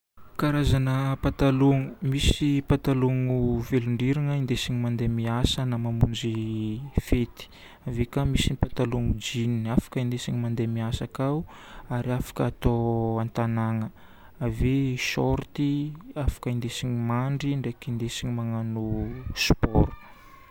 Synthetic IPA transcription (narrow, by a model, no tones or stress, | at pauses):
kaɾazanəpat̪aluŋumisipat̪aluŋuveluɳɖ͡ʐiɾaŋəind̪esiɲimand̪emiasənamamund͡ʒifet̪i̥ | avekamisinpat̪aluŋud͡ʒininafḁkəind̪esiɲimand̪emiasakawaɾiafḁkːt̪oant̪anaŋə | aveʃɔɾt̪iafḁkəind̪esiɲimaɳɖ͡ʐiɳɖ͡ʐekind̪esiɲimaŋanuspɔɾu̥